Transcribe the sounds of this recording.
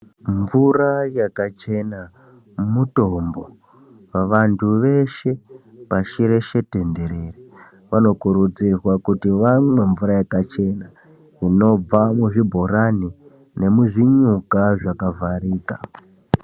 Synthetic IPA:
ɱvurajakat͡ʃe̞na | muto̞mbo̞ | ʋaʋantʰuʋe̞ʃe̞paʃiɾe̞ʃe̞te̞nde̞ɾeri | ʋano̞kuɾud͡zirwakutiʋamwe̞ɱvuɾajakat͡ʃe̞na | ino̞b͡vamuʐibʱo̞ɾani | ne̞muʐiɲukaʐakavʱariːka̰

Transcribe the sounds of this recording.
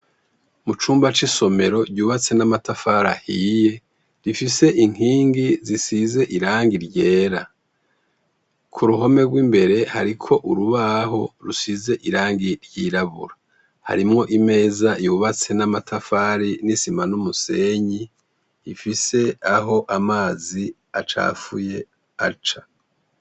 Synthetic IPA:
mut͡ʃuːmbat͡ʃiso̞me̞ɾo̞ɾɟuːβat͡se̞namatafaɾa̰hije̞ | ɾifise̞ʔiŋ̥iːŋɡizisize̞ʔiɾaːŋɡiɾɟe̞ːɾa | kʰuɾuɦo̞me̞ɡwiːmbe̞ɾe̞haɾikʰo̞ʔuɾuβaɦo̞ɾusize̞ʔiɾaːŋɡiɾjiɾaβṵɾa | ha̰ɾimŋo̞ʔime̞ːzajuβat͡se̞namatʰafaɾinisimanumuse̞ɲiː | fise̞aɦo̞ʔamaːzi | at͡ʃa̰ːfuje̞ | a̰t͡ʃa

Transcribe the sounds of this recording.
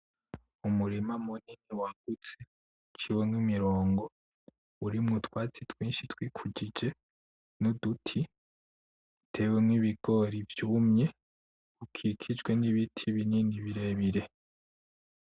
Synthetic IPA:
umuɾimamuniniwaɡ̥ut͡se | t͡ʃiwemwimiɾo̞ːŋɡo̞ | uɾimŋutwaːt͡sitwiːnʃitwiːkʰuɟid͡ʒe̞ | nodutʰi | tʰe̞we̞mŋwiːβiɡ̥o̞ɾivjuːmɲe̞ | ukʰikʰid͡ʒɡwe̞niβitʰiβiniːndiβiɾe̞βiɾe̞

